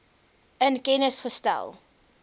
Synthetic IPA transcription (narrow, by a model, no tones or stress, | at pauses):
ənkɛnəsχəstæ̰lˠ